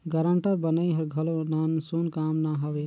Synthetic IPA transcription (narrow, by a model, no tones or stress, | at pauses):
ɡɐɾə̃ɳʈəɾbɐnaiɦɐɾɡʱɐlõnansuːnkaːmnaɦɐʋeː